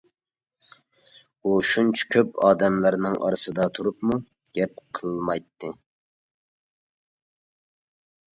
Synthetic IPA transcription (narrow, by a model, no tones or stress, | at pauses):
uʃunt͡ʃʰɛ̥kʲʰøpɑːd̪ɛmlæɾnɨŋʔɑ̰ɾɨsɨd̪ɑt̪ʰuɾupmu | ɡ̥ʲɛp̚qʰəllˠmɑjt̪ːɨ